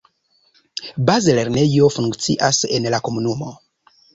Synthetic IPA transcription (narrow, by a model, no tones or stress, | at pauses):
bazele̞ɾne̞jo̞fuŋkt͡siʔasenlakomunumo